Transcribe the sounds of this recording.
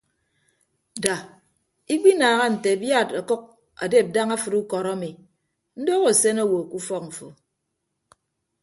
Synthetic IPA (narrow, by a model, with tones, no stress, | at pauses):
da˨ | i˦k͡pi˦naː˨ɣa˦n̩˨te˨bja˦˨ta˨kɔ˦k̚ | a̰˨de˦˨p̚da˦ŋa˦fɨ˨tu˦kɔ˨ɾa˦mi˨ | n̩˦do˦ɣo˨se˦no˦wo˨ku˦fɔ˦k̚ɱ̩˨fo̰˨